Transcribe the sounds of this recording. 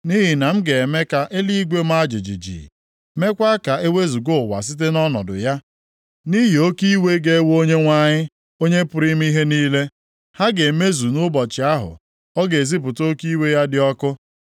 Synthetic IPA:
ni˦ɦi˨na˨m̩˦ɡe˨me˦ka˨ʔe˦li˦i˦ɡʷe˦m̩˦a˦d͡ʒi˨d͡ʒḭ˨d͡ʒḭ˨ | me˦kʷa˦ka˨e˦we˦zu˨ɡo˦˨wa̰˨s̬i˦t̬e˦nɔ˦nɔ̰˨dʊ̰˨ja˦ | ni˦ɦi˨o˦ki˦we˦ɡe˦wo˦ɲe˦ŋʷa˦˨ɲɪ˦ | o˦ɲe˦pʊ˨ɾi˦m̩˦i˦ɦe˦niː˦le˦ | ha˦ɡe˨me˦zu˨nʊ˦bɔ˨t͡ʃɪ˨a˦ɦʊ̰˨ | ɔ˦ɡe˨e˨zi˦p̬ʊ˨to˦ki˦we˦ja˦dɪ˦ɔ˦kʊ˦

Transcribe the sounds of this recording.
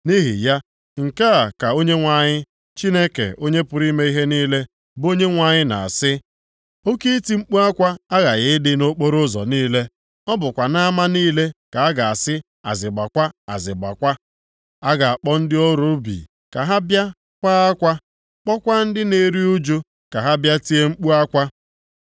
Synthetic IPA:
ni˦ɦḭ˨ja˦ | ŋ̩˨ka˦a˨ka˨o˦ɲe˦ŋʷa˨ɲɪ˦ | t͡ʃi˦ne˦kḛ˨o˦ɲe˦pʊ˨ɾi˦me˦i˦ɦe˦niː˦le˦ | bʊ˦o˦ɲe˦ŋʷa˨ɲɪ˦na̰˨a̰˨sɪ˦ | o˦ki˦ti˦ŋ͡m̩˦k͡pu˦a˦kʷa˦a˦ɣa˨ɣɪ˦dɪ˦no˦k͡po˦ɾʊ˦zɔ̰˨niː˦le˦ | ɔ˦bʊ˨kʷa˨na˦ma˦niː˦le˦ka˨a˦ɡa˨a˨sɪ˦ | a̰˨zɪ˨ɡ͡ba˨kʷa˦a̰˨zɪ˨ɡ͡ba̰˨kʷa˦ | a˦ɡa˨a˨k͡pɔ˦n̩˦dɪ˦o˦ɾu˦bḭ˨ | ka˨ɦa˦bja˦ | kʷa˦a˦kʷa˦ | k͡pɔ˦kʷa˦n̩˦dɪ˦ne˨ɾi˦u˦d͡ʒu˦ | ka˨ɦa˦bja˦ti˦e˦ŋ͡m̩˦k͡pu˦a˦kʷa˦

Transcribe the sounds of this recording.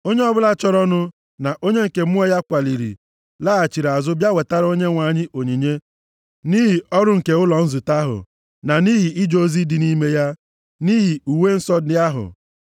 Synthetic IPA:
o˦ɲe˦ɔ˦bʊ˦la˦t͡ʃɔ˦ɾɔ˦nʊ˦ | na˨ʔo˦ɲe˦ŋ̩˨ke˨mʊ˦ɔ˦ja˦kʷa˨li˨ɾḭ˨ | laː˦a˨t͡ʃi˨ɾa˨zʊ˦bja˦we˨ta˦ɾo˦ɲe˦ŋʷa˨ɲɪ˦ʔo˨ɲi˨ɲe˦ | ni˦ɦi˨ɔ˦ɾʊ˦ŋ̩˨ke˨ʊ˦lɔ˨n̩˦zʊ˨ta˦ɦʊ̰˨ | na˨ni˦ɦi˨i˦d͡ʒo˦zi˦di˨ni˦me˦ja˦ | ni˦ɦi˨u˨we˦n̩˦sɔ˦dɪ˦a˦ɦʊ̰˨

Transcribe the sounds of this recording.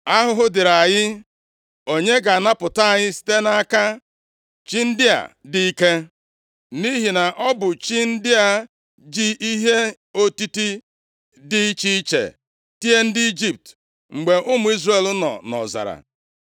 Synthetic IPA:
a˦ɦʊ˦ɦʊ˦dɪ˨ɾa˨ɲɪ˦ | o˨ɲe˦ɡa˨na˦pʊ˨ta˦a˨ɲɪ˦si̥˦te˦na˨a˦ka˦ | t͡ʃi˦n̩˦dɪ˦a̰˨di˦i˦ke˦ | ni˦ɦi˨na˨ʔɔ˦bʊ˨t͡ʃi˦n̩˦dɪ˦a˦˨ | d͡ʒi˦ʔi˦ɦe˦ | o˦ti˦ti˦ | dɪ˦t͡ʃi˦i˦t͡ʃḛ˨ | ti˦e˦n̩˦dɪ˦i˦d͡ʒi˦p̚t | ŋ͡m̩˨ɡ͡be˨ʔʊ˦mʊ˨˦i˦zre˦˨lʊ˦nɔ̰˨nɔ̰˨za̰˨ɾa̰˨

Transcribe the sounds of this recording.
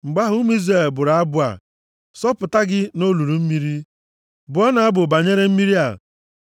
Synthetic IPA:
ŋ͡m̩˨ɡ͡ba˦ɦʊ˦m˦i˦zɾe˨lbʊ˨ɾa˨a˦bʊ˦a̰˨ | sɔ˦pʊ˨ta˦ɡɪ˦no˦lu˨ɾu˨m̩˦mi˦ɾi˦ | bʊ˨ɔ˦na˨a˦bʊ˨ba˨ɲe˦ɾe˦m̩˦mi˦ɾi˦a˨

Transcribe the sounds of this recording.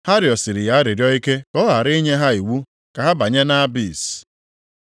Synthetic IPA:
ha˦ɾjɔ˨sɪ˨ɾɪ˨ja˦a˦ɾɪ˨ɾjɔ˦i˦ke˦kɔ˦ɦa˨ɾi˦ɲe˦ɦa˦i˨wu˦ | ka˨ɦa˦ba˨ɲe˦na˦bi˦˨s

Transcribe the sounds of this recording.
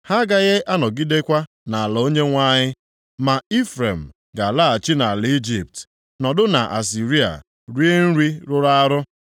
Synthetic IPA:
ha˦ɡa˦ɣe˦a˦nɔ˨ɡi˦de˦kʷa˦ | na˨a˨lɔ˨o˦ɲe˦ŋʷa˦ɲɪ˦ | ma˨i˦fɾe˨m̩˨ | ɡa˨la˦a˨t͡ʃi˦na˨li˦d͡ʒi˨p̚t | nɔ˨dʊ˦na̰˨ʔa̰˨s̬i˨ɾi˦a̰˨ | ɾi˦e˦n̩˦ɾi˦ɾʊ˦ɾa˦ɾʊ˦

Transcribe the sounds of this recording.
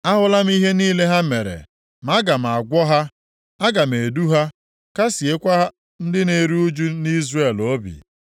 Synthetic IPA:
a˦ɦʊ˨la˦m˦i˦ɦe˦niː˦le˦ɦa˦me˨ɾḛ˨ | m˦a˦ɡa˨m̩˨a˨ɡʷɔ˦ɦa˦ | a˦ɡa˨me˨du˦ɦa˦ | ka˦si˨e˦kʷa˦a˦ | n̩˦dɪ˦ne˨ɾu˦u˦d͡ʒu˦ni˦zre˦˨lo˦bḭ˨

